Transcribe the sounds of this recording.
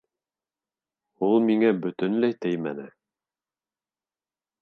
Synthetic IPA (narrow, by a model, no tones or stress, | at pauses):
ulˠmiŋæbɵ̆t̪ɵ̆nlæjt̪ɘjmæ̰nɘ